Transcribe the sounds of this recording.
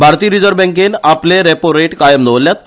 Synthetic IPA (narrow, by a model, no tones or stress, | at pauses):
bʱaɾt̪iːɾid͡zəɾbɛ̃ŋkenapleɾepoɾeʈkajəmd̪əʋəlːjat̪̚